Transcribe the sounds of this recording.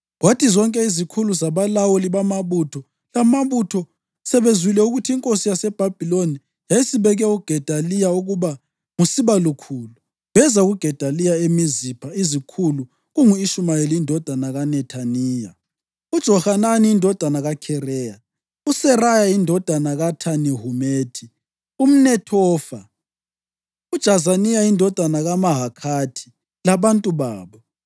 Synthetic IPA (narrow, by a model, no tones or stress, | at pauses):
watʰizɔŋkʼɛizikʰuluzaβalawɔliβamaβutʰɔ | lamaβutʰɔ | sɛβenzilɛuɣutʰiiŋkʼosijasɛb̥ʱab̥ʱiloni | jajisiβɛɣɛuɡ̥ʱɛd̥ʱalijauɣuβa | ŋusiβalukʰuːlu | βɛzaɣuɡ̥ʱɛd̥ʱalijaemizipʰaizikʰulu | ɣuŋuiʃumajelindʱɔd̥ʱanaɣanɛtʰaniːja̰ | ud̥ʒ̥ʱɔhananiːndʱɔd̥ʱanaɣakʰɛrɛːja | usɛrajaindʱɔd̥ʱanaɣatʰaniɦumeːtʰi | um̩nɛtʰɔːfa | ud̥ʒ̥ʱazanijaindʱɔd̥ʱanaɣamaɦakʰatʰi̥ | laβantʼuβaːβɔ